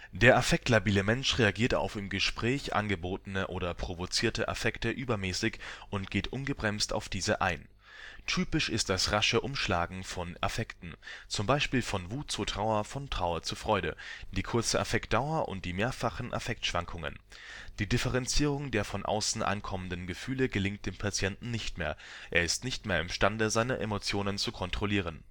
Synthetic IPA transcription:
d̥eːɐʔafɛk̚tlabiːləmɛnʃʁeaɡiːɐta̰ʊfɪmɡəʃpʁ̥ɛːçʔa̰nɡəboːtənəʔoːɾɐpʁ̥ovot͡siːɐtəʔa̰fɛktəʔyːbɐmɛːsɪçʔʊntɡ̥eːtʔʊnɡəbʁɛmsta̰ʊfd̥iːzəʔaɪn | tʰyːpɪʃɪst̚d̥asʁaʃəʔʊmʃlaːɡŋ̩fɔna̰fɛktn̩t͡sʊmbaɪʃpiːlfɔnvuːt̚t͡sutʁ̥aʊɐfɔntʁ̥aʊɐt͡sufʁ̥ɔʏɾə̰d̥iːkʰʊɐt͡səʔa̰fɛkt̚d̥aʊɐʔʊ̰nt̚d̥iːmeːɐfaχn̩ʔa̰fɛk̚tʃv̥aŋkʰʊŋə̰n | d̥iːdɪfəʁɛnt͡siːʁʊŋdeːɐfɔnʔa̰ʊsn̩ʔa̰nkʰɔməndənɡəfyːləɡəlɪŋt̚d̥eːmpʰat͡sjɛntn̩ːɪçtmeːɐʔḛːɐɪstnɪçtmeːɐɪmʃtandəzaɪnəʔemot͡sjoːnənt͡sukʰɔntʁ̥oliːʁ̞ən

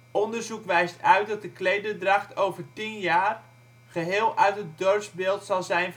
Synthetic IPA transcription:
ɔndərzukʋɛjstœɥt̚dɑt̚dəklejdədraχtowvəɹtinjaːr | χəɦɪːlˠʔœɥtət̚dɔɹsbɪːlˠtsɑlˠzɛjn

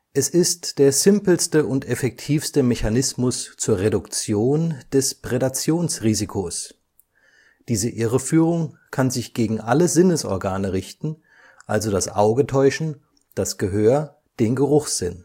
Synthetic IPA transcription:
ʔɛsɪstd̥eːɐzɪmpl̩stəʔʊntɛfɛk̚tʰiːfstəmeçanɪsmʊst͡suːɐʁedʊkt͡sjoːnd̥ɛspʁ̥edat͡sjoːnsʁiːzikʰoːs | d̥iːzəʔɪʁəfyːʁʊŋkʰanzɪçɡ̥eːɡŋ̩ʔaləzɪnəsʔɔ̰ɐɡaːnəʁɪçtn̩ | ʔalzodasʔaʊɡətʰɔʏʃn̩ | d̥asɡ̥əɦøːɐ | d̥eːnɡəʁʊχz̥ɪn

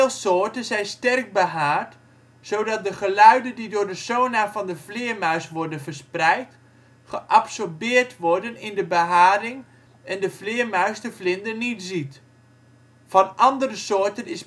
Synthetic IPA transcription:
lˠsoːɹtənzɛjnstɛrk̚bəɦaːrt | sowdɑt̚dəχəlœɥdəndidʊːɹdəsoːnafɑndəflɪːɹmœɥsʋɔɹdənvəɹsprɛjt | χəʔɑpsɔɹbɪːɹtʋɔɹdənɪndəbəɦaːɾɪŋ | ɛndəflɪːɹmœɥsdəflɪndənnitzit | fɑnʔɑndərəsoːɹtənɪs

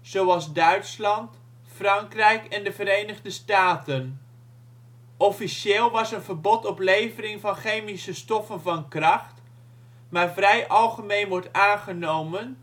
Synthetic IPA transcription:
z̥owɑlˠzdœɥtslɑnt | frɑŋkrɛjkɛndəvəɾejnəχdəstaːtən | ʔɔfiʃɪːlˠʋɑsənvəɹbɔtɔplejvərɪŋvɑnχejmisəstɔfənvɑnkrɑχt | maːɹvrɛjʔɑlˠχəmejnʋɔɹtaːnχənowmən

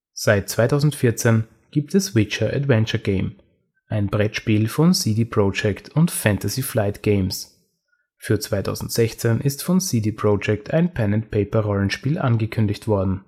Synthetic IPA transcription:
z̥aɪt̚t͡sv̥aɪtʰaʊzn̩tfɪɐt͡sen | ɡ̥iːp̚tɛswɪt͡ʃəʔa̰dvɛnt͡ʃɐɡ̥eɪm | ʔaɪnbʁɛtʃpiːlfɔnsidiːpʁ̥od͡ʒɛktʰʊntfɛntɐsiflaɪtɡ̥eɪms | fyːɐt͡sv̥aɪtʰa̰ʊzn̩tz̥ɛçt͡senʔɪstfɔnsiːdiːpʁod͡ʒɛktʰaɪnpʰɛnɛnt̚pʰeɪpɐʁɔlən̩ʃpiːlʔanɡəkʰʏndɪçtv̥ɔɐdn̩

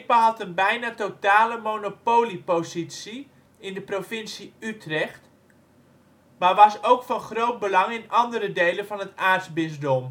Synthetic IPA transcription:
paɦɑtənbɛjnatotaːləmonopoːlipozit͡si | ɪndəprofɪnsiytrɛxt | maʋɑsowkfɑnχrowt̚bəlɑŋɪnɑndəɾədejlənvɑnɦətaːrtzbɪzdom

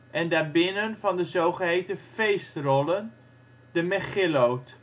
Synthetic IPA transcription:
ʔɛndaːɹbɪnənvɑndəzowχəɦejtəfejstrɔlən | dəmɛχɪlowt

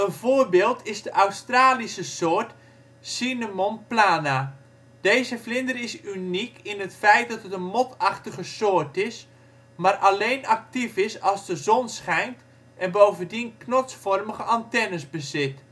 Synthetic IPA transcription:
ənvoːrbeːlˠtʰɪzdəʔawstraːlisəsoːrt | sinəmonplaːna | d̥ejzəflɪndərɪsynikɪnətfɛjt̚dɑtətənmɔtʰɑχtəɣəsoːtɪs | marʔalejnak̚tifɪsɑlˠzdəzɔnsχɛjnt | ʔɛnbowvəndinknɔt͡sfɔrməɣəʔantɛnəsbəzɪt

